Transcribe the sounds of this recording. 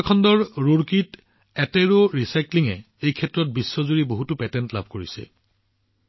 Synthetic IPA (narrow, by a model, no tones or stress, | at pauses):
kʰɔndɔɹːuɹkit | ɛtɛɹoɹisajkliŋɛ | ejkʰɛtɹɔt̚bisːɔzuɹiboɦutʊpɛtɛntla̰bʱkoɹisɛ̰